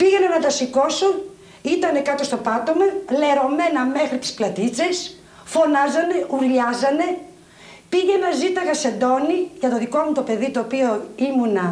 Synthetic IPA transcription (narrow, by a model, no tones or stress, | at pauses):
piʝenɐnɐt̪ɐsiko̞son | it̪ɐne̞kɐt̪o̞st̪o̞pɐt̪o̞mɐle̞ɾo̞me̞nɐme̞xɾit̪isplɐt̪it͡se̞s | fo̞nɐzɐne̞ʔuɾʎɐzɐne̞ | piʝe̞nɐzit̪ɐɣɐse̞d̪o̞niʝɐt̪o̞ðiko̞mut̪o̞pe̞ðit̪oːpio̞imunɐ